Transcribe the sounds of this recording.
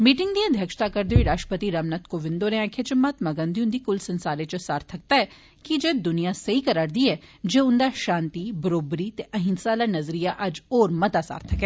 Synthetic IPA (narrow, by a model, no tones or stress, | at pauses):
miːʈɪ̃ŋɡd̪iːəd̪ʱjəkʃt̪aːkəɾd̪eːoiːɾaːʃʈəpət̪iːɾəmnət̪koːʋɪ̃nd̪oːnẽãːkʰet͡ʃəmaːt̪maɡə̃nd̪iʊ̃nd̪iːkʊlsənsaːɾeːt͡ʃəsaːɾt̪ʰək̚t̪aːɛː | kid͡ʒeːd̪ʊnijaːsəiːkəɾaːɾd̪iːɛːd͡ʒeːʊnd̪aːʃãːnt̪iːbəɾoːbɾiːt̪eʔəɦɪ̃nsaːlaːnəzɾijaːʔɐd͡ʒɔːɾmət̪aːsa̰ːɾt̪ʰəkɛː